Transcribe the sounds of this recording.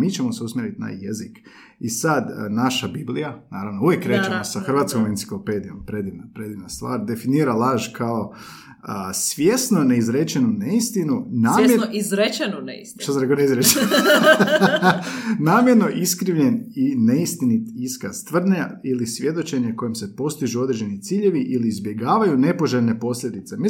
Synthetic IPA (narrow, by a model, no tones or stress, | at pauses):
miːt͡ʃemo̞seusmʲjeɾit̪na̰jezik | isad̪naʃabiblijanaːɾaʋnouʋjekːɾe̞ːt͡ʃemosaxrʋaːt̪skoment̪si̥klˠo̞pe̞d̪ijo̞mpɾed̪iʋnapɾe̞d̪iʋnast̪ʋa̰ːɾd̪e̞finiːɾalˠaʒkʰao | əsʋje̞snoneizɾet͡ʃe̞nuneist̪inunaːmjoizɾet͡ʃenunḛisʃt̪asanɾekoneizɾet͡ʃen | naːmje̞ɾno̞ʔiskɾiʋʎe̞nine̞ist̪init̪iiskaz̥t̪ʋr̩d̪nailisʋʲje̞d̪o̞t͡ʃe̞ɲeko̞jimse̞po̞st̪iʒuo̞d̪ɾe̞d͡ʒe̞nit̪siːʎe̞ʋiʔiliːzbje̞ɡaːʋajune̞po̞ʒeʎne̞po̞sʎʲe̞d̪it̪se̞mi